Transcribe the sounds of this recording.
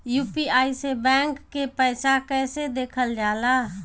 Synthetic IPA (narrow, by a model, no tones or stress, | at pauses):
juːpiaːisebɛːŋkːepəɪsakɛːsed̪eːkʰəld͡ʒaːlaː